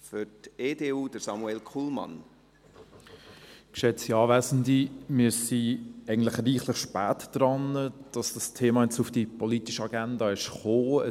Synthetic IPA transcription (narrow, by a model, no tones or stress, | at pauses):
fʏteːdeːuːd̥əsɑmuɛlkʰuːlmɑ̰n | kʃɛt͡siɑːvæːzn̩dimɪɾsiɛɪɡən̩tlɪχriːχlɪχʃpæːtd̥ɾɑnːəd̥ɑsd̥ɑstʰeːmɑːjɛt͡sufd̥ipɔlitiʃəɑɡændɑɪʃχoːə